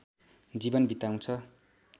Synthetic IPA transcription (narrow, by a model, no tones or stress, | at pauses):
d͡zibʌnbit̪aw̃t͡sʰʌ